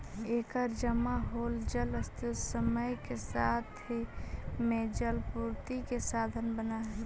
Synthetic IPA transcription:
eːkəɾd͡ʒəmaɦoːld͡ʒələst̪ɪsəməjkesaːt̪ʰɦimẽd͡ʒəlpuɾt̪ikesaːd̪ʱənbəna

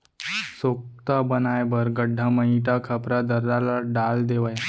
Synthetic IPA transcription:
sok̚t̪abənajbəɾɡəɖʱːaməiʈ̪akʰəpɾad̪əɾːalaɖald̪eʋaj

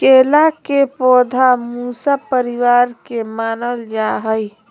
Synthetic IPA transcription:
keːlakepɔːd̪ʱamusapəɾiwaːɾkemaːnəld͡ʒaɦəj

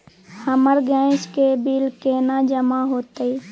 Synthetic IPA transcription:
həməɾɡɛ̃ːskebɪlkeːnad͡ʒəmaɦoːt̪ei

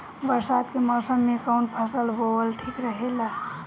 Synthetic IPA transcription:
bəɾsat̪keməsəmːekəwnpʰəsəlboəlʈʰikɾəɦela

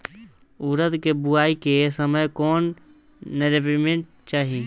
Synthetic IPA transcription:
uɾət̪kebʊaːikesəməjkɔːnː | eɾep̬imẽʈ | t͡ʃaːɦi

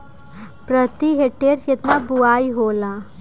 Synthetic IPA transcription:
pɾət̪iɦeʈeɾet̪nabuajɦola

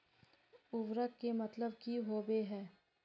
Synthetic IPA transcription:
ʊʋɾəkːemɐt̪ləb̚kiɦoːbeɦɛː

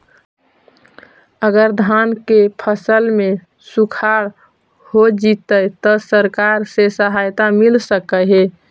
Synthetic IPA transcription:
əɡəɾd̪ʱankepʰəsəlme | sukʰaɽ | hod͡ʒit̪ət̪ɔsəɾkaɾsesəɦajt̪amilsəkəɦe

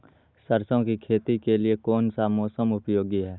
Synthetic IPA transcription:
səɾsõkikʰeːt̪ikeliekɔːnsamɔːsəmʊpjoːɡiɦɛː

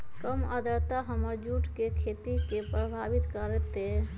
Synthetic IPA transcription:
kəməd̪ʱəɾt̪aɦəməɾd͡ʒuʈkekʰet̪ikepɾəbʱaʋit̪kəɾɛt̪e

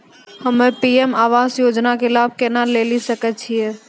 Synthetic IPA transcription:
hɐmẽpiːɛmaːʋaːzjoːd͡ʒnakɪlaːb̚kɛnaːlːeːlisəkət͡ʃʰiɛː

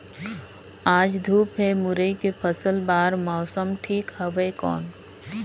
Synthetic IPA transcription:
aːd͡ʒd̪ʱuːpɦɛmʊɾəikepʰəsəlbaːɾmɔːsəmʈʰiːkhəwəjkɔ̰ːn

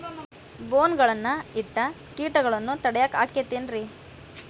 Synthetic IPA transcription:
boːnɡɐɭɐnːɐiʈːɐ | kiːʈɐɡɐɭɐnːut̪ɐɽɛjaːka̰ːket̪ːeːnɾi

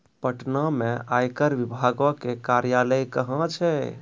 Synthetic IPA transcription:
pəʈnameajkəɾʋibʱaɡɔkekaɾjaləjkəɦə̃t͡ʃʰɛ

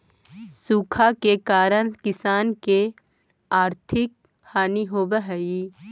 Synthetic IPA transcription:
suːkʰakekaːɾəɽ̃kɪsaːnke | aːɾt̪ʰɪk̚ | haːniɦoːbəɦəi

